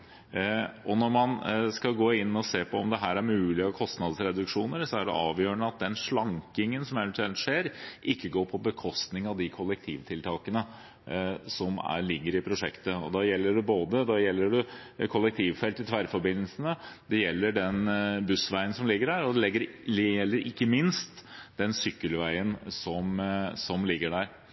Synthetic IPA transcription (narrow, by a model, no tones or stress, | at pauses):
ʔɔnɔɾmɑnskɑlɡoːɪnːɔseːpʰɔɔmd̪ɛɦæːɾæɾmʉːlɪɔkʰɔst̪nɑd̪sɾɛd̪ʉkʂuːnəɾsɔæɖɛ̰ʔɑːʋjøːəɳəɑt̪̚d̪ɛnʂɭɑŋkɪŋənsɔmɛʋɛnt̪ʰʉɛlt̪ʂeːɾʔɪkːəɡoːɾpʰɔbəkʰɔst̪nɪŋɑʋd̪ɪkʰʊlːɛk̚t̪ʰiːʋt̪ʰɪlt̪ʰɑːkənə | sɔmæ̰ɭɪɡːəɾɪpʰɾʊʂɛkt̪əɔ̰d̪ɑjɛlːəɖʉboːd̪əd̪ɑjɛlːəɖʉkʰʊlːɛkt̪ʰiːʋfɛlt̪ɪt̪ʰʋæɾfɔɾbɪnːlsənəd̪̥ɛjɛlːəɖɛnbʉsʋæɪənsɔmlɪɡːəɖæɾɔd̪ɛlɪɡːəɾɛlːəɾʔɪkːəmɪnst̪d̪ɛnsʏkːəlʋæɪənsɔmsɔmlɪɡːəɖæɾ